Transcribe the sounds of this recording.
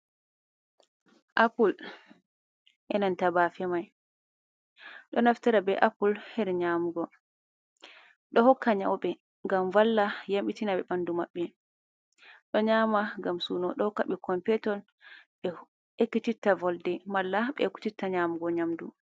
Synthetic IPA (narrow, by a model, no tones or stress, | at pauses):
ʔapul | ʔɛnantabafɛmaj | ɗɔnaftaɾabɛʔapulhɛɾɲamuɡɔ | ɗɔhɔkːaɲa̰wɓɛ | ŋɡamvalːajamɓitinaɓɛɓandumaɓːɛ | ɗɔɲaːmaŋɡamsunɔɗɔhɔkːaɓɛkɔmpɛtɔl | ɓɛ | ekːutitːavɔldɛmalːaɓɛ̰kːu̥titːaɲamuɡɔɲamdu